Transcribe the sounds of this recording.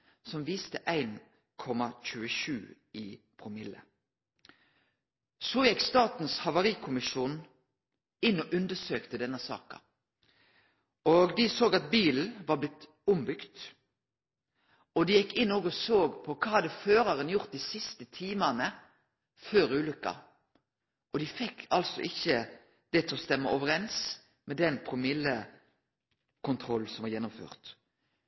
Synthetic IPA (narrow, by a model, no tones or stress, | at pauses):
sɔmʋiːst̪əʔæɪn | kʰɔmɑc͡çʉːəʃʉ̰ː | ɪpʰʁʊmɪlːə̰ | soːjɛkst̪ɑːt̪n̩shɑʋɑʁiːkʰʊmɪʃuːn | ɪnːɔʔʉnd̪əsøːkt̪əd̪ɛnːəsɑ̰ːkɑ̰ | oɡd̪ɪsoːɡɑt̪̚biːln̩ʋɑːɾblɪt̪ | ʊmbʏkt̪ | ɔd̪ɪjɛkːɪnːoːɡɔsoːɡpʰɔkʰɑːhɑd̪əføːɾɑɾənjʊʁt̪̚d̪ɪsɪst̪ət̪ʰiːmɑnə | føːɾʉːlʏkːɑ̰ | ʔɔd̪ɪfɛkːɑlsɔ̰ʔɪçːə | d̪̥ɛt̪ʰɛɔst̪ɛmːəʔɔʋəɾɛns | mɛd̪ɛnpʰɾʊmɪlːə | kʰʊnt̪ʰɾɔlːsɔmʋɑɾjɛnːʊmfø̰ːʁt̪